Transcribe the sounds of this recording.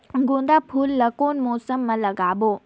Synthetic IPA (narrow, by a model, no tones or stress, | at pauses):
ɡõːnd̪aːpʰuːlːɐkoːnmɔːsəmːɐ̃lɐɡaːboː